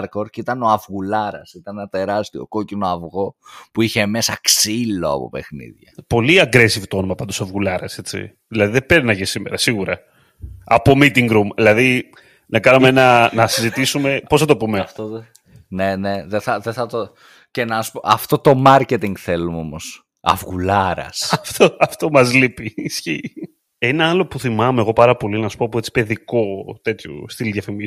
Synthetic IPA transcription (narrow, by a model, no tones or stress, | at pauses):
ɾko̞ɾcit̪ɐno̞ɐvɣulɐɾɐ̰sit̪ɐnenɐt̪e̞ɾɐst̪io̞̰ko̞cino̞ɐvɣo̞puiçe̞me̞sɐksilo̞ɐ̰po̞̰pe̞xnḭðʝɐ̰po̞liɐɡɾesivt̪oonumɐpɐnd̪osɐvɣulɐɾɐse̞t͡sḭ | ðilɐðiðebeɾnɐʝisimeɾɐsiɣuɾɐ | ɐpo̞mit̪iŋɡɾumðilɐði | nɐkɐnumeenɐnɐsizit̪isume̞pos̬θɐt̪̬o̞pumeft̪o | ne̞ne̞ðeθɐðeθɐt̪o | cenɐspoɐft̪o̞t̪o̞mɐɾcet̪iŋɡθe̞lumo̞mos | ɐ̰vɣulɐɾɐ̰sɐft̪oɐft̪o̞mɐzlipiːsçi | enɐɐlo̞puθimɐmeɣo̞pɐɾɐpo̞linɐsu̥popuet͡si̥pe̞ðiko̞t̪e̞t̪çṵst̪ilðʝɐfimi